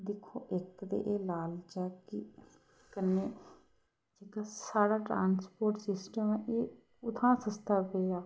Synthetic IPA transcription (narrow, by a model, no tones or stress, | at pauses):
d̪ɪkʰːoːʔɪkd̪ḛʔeːlaːld͡ʒaːki | kənːe | d͡ʒekasaːɽaːʈɾaːnspoːɾʈsɪsʈəmɛ̃ʔeː | ʊt̪ʰãːsə̃st̪ʰaːpeːaː